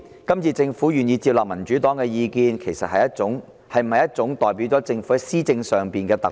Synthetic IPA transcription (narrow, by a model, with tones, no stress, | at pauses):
kɐ˥mt͡sʰiː˧t͡sɪ˧ŋfuː˨˥jyː˨njiː˧t͡siː˧p̚laː˨p̚mɐ˨˩nt͡ʃyː˨˥t̪ɔː˨˥ŋkɛː˧jiː˧kiː˧nkʰe˨˩jsɐ˨t̚hɐ˨jɐ˥t̚t͡ʃʊ˨˥ŋ | hɐ˨jm̩˨˩hɐ˨jɐ˥t̚t͡sʊ˨˥ŋt̪ɔː˨˩jp̬i˨˥wt͡sɔː˨˥t͡sɪ˧ŋfu˨˥ɐ˨˥jsiː˥t͡sɪ˧ŋsœː˨ŋpiː˨nkɛː˧t̪ɐ˨